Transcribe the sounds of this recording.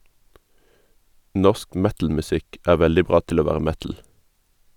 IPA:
ˈnɔsk ˈmɛtl̩mʉˌsɪk ˈæː ˈʋɛldɪ ˈbʁɑː ˈtɪl ˈoː ˈʋæːʁə ˈmɛtl̩

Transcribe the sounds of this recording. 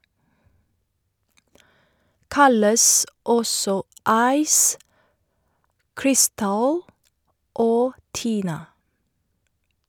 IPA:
ˈkɑləs ˈɔsɔ ˈɑɪs ˈkɹɪˌstɑl ˈoː ˈtiːnɑ

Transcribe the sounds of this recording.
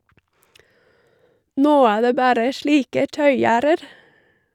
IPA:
ˈnoː ˈæː ˈdeː ˈbæːɾə ˈʃɭiːkə ˈtœʏˌjæːɾəɾ

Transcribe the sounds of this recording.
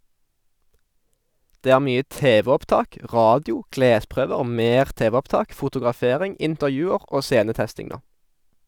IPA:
ˈdeː ˈæːʁ ˈmyːə ˈteːʋɛɔpˌtɑːk ˈʁɑːdɪʊ ˈkleːˌspʁøːʋəʁ ˈmeːʁ ˈteːʋɛɔpˌtɑːk fʊtʊɡʁɑˈfeːʁɪŋ ɪntəʁˈjʉːəʁ ˈoː ˈseːnəˌtɛstɪŋ ˈnoː

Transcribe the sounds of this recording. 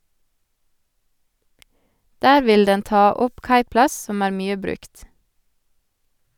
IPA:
ˈdæːɾ ˈʋɪl ˈdɛn ˈtɑː ˈɔp ˈkɑɪˌplɑs ˈsɔm ˈæːɾ ˈmyːə ˈbɾʉkt

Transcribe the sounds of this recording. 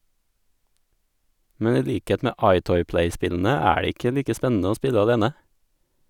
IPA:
ˈmɛn ˈiː ˈʎiːkeːt ˈmeː ˈɑɪˌtɔʏ ˈplæɪˌspɪʎn̩ə ˈæː ˈɖeː ˈɪkə ˈʎiːkə ˈspɛnn̩ə ˈoː ˈspɪʎə ɑˈʎeːnə

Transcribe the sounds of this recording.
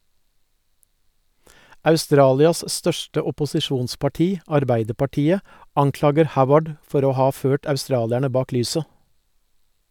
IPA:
ɑʉˈstɾɑːlɪɑs ˈstœʃʈə ʊpʊsɪˈʃuːnspɑˌʈiː ɑɾˈbæɪdəpɑˌʈiːə ˈɑŋˌklɑːɡəɾ ˈhaʊwəɖ ˈfɔɾ ˈoː ˈhɑː ˈføːʈ ɑʉˈstɾɑːlæɳə ˈbɑːk ˈlyːsə

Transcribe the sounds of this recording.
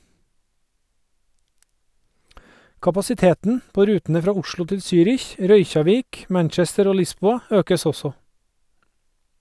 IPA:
kɑpɑsɪˈteːtn̩ ˈpoː ˈɾʉːtəə ˈfɾɑː ˈʊʃɭʊ ˈtɪl ˈsyːɾɪç ˈɾœʏçɑˌʋiːk ˈmæɳt͡ʃɛstəɾ ˈoː ˈlɪˌsbuːɑ ˈøːkəs ˈɔsɔ

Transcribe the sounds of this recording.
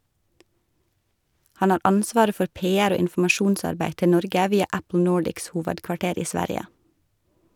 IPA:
ˈhɑn ˈɑːɾ ˈɑnsʋɑːɾə ˈfɔɾ ˈpeːæɾ ˈoː ɪnfʊmɑˈʃuːnˌsɑɾbæɪ ˈtɪ ˈnɔɾɡə ˈʋiːɑ ˈæpl̩ ˈnoːɖɪks ˈhuːʋədkʋɑˌʈeːɾ ˈiː ˈsʋæɾjə

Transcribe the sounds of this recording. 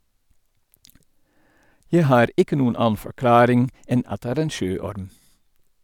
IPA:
ˈjæ ˈhɑːɾ ˈɪkə ˈnuːən ˈɑːn̩ fɔɾˈklɑːɾɪŋ ˈɛn ˈɑt ˈdeː ˈæːɾ ˈeːn ˈʃøːˌɔɾm

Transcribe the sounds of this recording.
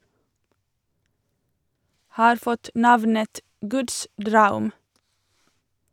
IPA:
ˈhɑːɾ ˈfɔt ˈnɑʋnət ˈɡʉːds ˈdɾɑʉm

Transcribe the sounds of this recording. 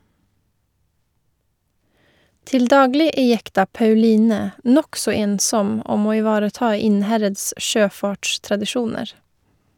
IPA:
ˈtɪl ˈdɑːɡlɪ ˈeː ˈjɛktɑ pɑʉˈliːnɛ ˈnɔksɔ ˈeːnˌsɔm ˈɔm ˈoː ɪˈʋɑːɾəˌtɑː ˈɪnˌhɛɾəds ˈʃøːˌfɑːʈʃtɾɑdɪˌʃuːnəɾ

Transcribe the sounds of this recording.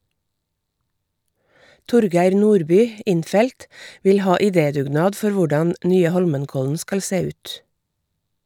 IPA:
ˈtʊɾˌɡæɪɾ ˈnuːɾˌbyː ˈɪnˌfɛlt ˈʋɪl ˈhɑː ɪˈdeːdʉːˌɡnɑːd ˈfɔɾ ˈʋʊɖɑn ˈnyːə ˈhɔlmənˌkɔln̩ ˈskɑl ˈseː ˈʉːt

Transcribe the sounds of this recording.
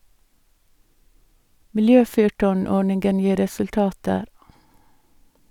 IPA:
mɪlˈjøːˌfyːʈɔˌɳɔɳɪŋɡən ˈjiː ɾɛsʉlˈtɑːtəɾ

